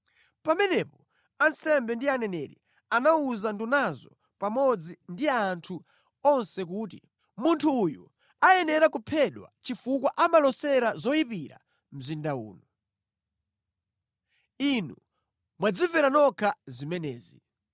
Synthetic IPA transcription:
pamɛnɛpɔ | ansɛmbɛndianɛnɛɾḭ | anauzandunazɔ | pamɔd͡zindiaːntʰu | ɔnsɛk̬uːt̬i | muntʰuːju | ajɛnɛɾakupʰɛɗwa̰t͡ʃifuk̬waʔamalɔsɛɾazɔipiɾa̰ | m̩zindaṵːnɔ | inu | mwad͡zivɛɾanɔkʰazimɛnɛːzi

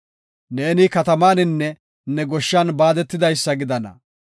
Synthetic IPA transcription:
ne̞ːnɪkɐt̪ɐmaːnɪnːɛ | nɛɡɔʃːanbaːd̪ɛt̪ːɪd̪ɐjsːɐɡɪd̪ɐnɐ̰

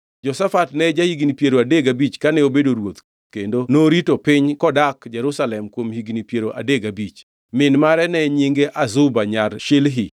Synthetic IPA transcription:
d͡ʒɔsafatnɛd͡ʒahiɡnipjeɾoadeɡabit͡ʃkanɛobedoɾwot̪ | kendonoɾitopɪɲkɔdakd͡ʒɛɾusalɛmkwomhiɡnipjeɾoʔa̰deɡabit͡ʃ | mɪnmaɾɛnɛɲiŋɡeʔazʊbaɲaɾʃelɦɪ

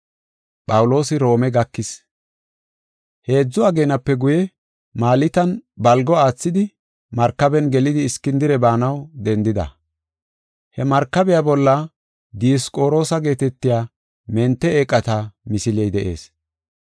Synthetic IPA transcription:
pʼɐwlo̞ːsɪɾo̞ːmɛɡɐkːɪs | he̞ːd͡zːʊɐɡe̞ːnɐpːɛɡʊjɛ | maːlɪt̪ɐnbɐlɡɔaːt͡sːɪd̪ɪ | mɐɾkːɐbɛnɡɛlɪd̪ɪːskːɪnd̪ɪɾɛbaːnɐwd̪ɛnd̪ɪd̪ɐ̰ | hɛmɐɾkːɐbɛjabɔlːɐ | d̪ɪjɔskʼo̞ːɾo̞ːsɐɡe̞ːt̪ɛt̪ːɪjaː | mɛnt̪ːɛeːkʼːɐt̪ɐmɪsɪlɛjd̪ɛʔḛːs

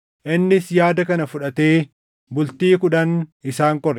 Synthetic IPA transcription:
ʔɪnːɪsjaːd̪ɐkɐnɐfʊᶑɐt̪e̞ː | bʊlt̪iːkʊᶑɐnɪsaːŋkɔɾ

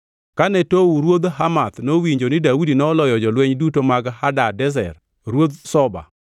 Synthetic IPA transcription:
kanɛtouɾwod̪ɦamat̪nowiɲd͡ʒonɪdaudinɔːlɔjɔd͡ʒɔlwɛɲdutomaɡhadadɛz̬ɛ̰r | ɾwod̪sɔba̰

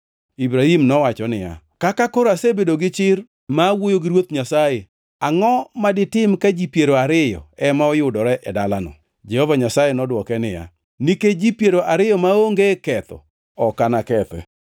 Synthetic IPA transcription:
ibɾahimnɔwat͡ʃɔnɪja̰ | kakakoɾasebedoɡɪt͡ʃɪr | mawojoɡɪɾwot̪ɲasaje | aŋɔmadɪtɪmkad͡ʒipjeɾoaɾɪjɔ̰ɛmaɔjʊdɔɾɛʔɛdalanɔ̰ | d͡ʒɛhɔvaɲasajenɔdwɔkɛnɪja̰ | niked͡ʒipjeɾoʔaɾɪjɔmaoŋɡekɛt̪ɔ̰ | ɔkanakɛt̪ɛ̰

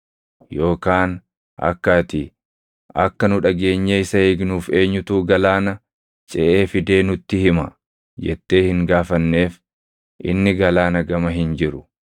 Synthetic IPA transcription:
jo̞ːkaːn | ʔɐ̰kːɐt̪ɪ | ɐkːɐnʊᶑɐɡe̞ːɲːeːɪsɐeːɡnuːfe̞ːɲːʊt̪uːɡɐlaːnɐ | t͡ʃʼɛʔeːfɪd̪e̞ːnʊt̪ːɪhɪmɐ | d͡ʒɛ̰t̪ːeːhɪŋɡaːfɐnːe̞ːf | ʔɪ̰nːɪɡɐlaːnɐɡɐmɐɦɪnd͡ʒɪɾʊ̥

